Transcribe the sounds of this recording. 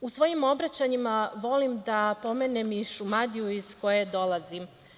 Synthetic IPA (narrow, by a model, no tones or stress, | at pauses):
usʋo̞jimo̞bɾat͡ɕaɲimaʋo̞limd̪apo̞me̞nemiʃumad̪ijuizko̞jed̪o̞lazi